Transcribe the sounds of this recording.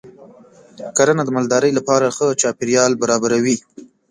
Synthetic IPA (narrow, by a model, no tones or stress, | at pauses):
kaɾanad̪əmald̪ɑɾəjlapɑɾaxət͡ʃɑpɪɾjɑlbaɾɑbaɾawi